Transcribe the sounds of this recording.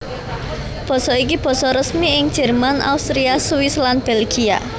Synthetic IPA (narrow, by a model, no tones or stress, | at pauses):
b̥ɔ̤sɔik̬ib̥ɔ̤sɔɾəsmiɪŋd̥ʒ̥ɛrmana̰ust̪ɾiasuɪslanb̥elɡia̰